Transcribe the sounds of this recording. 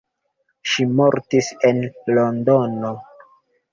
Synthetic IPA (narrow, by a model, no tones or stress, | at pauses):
ʃimoɾtisenlondono